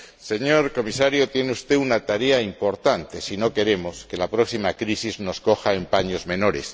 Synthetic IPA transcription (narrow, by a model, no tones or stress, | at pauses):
se̞ɲo̞ɾko̞misaɾjot̪je̞neust̪e̞unat̪aɾe̞aimpo̞ɾt̪ant̪e̞sino̞ke̞ɾe̞mo̞ske̞lapɾo̞ksimakɾisizno̞sko̞xaempaɲo̞zmẽ̞no̞ɾe̞s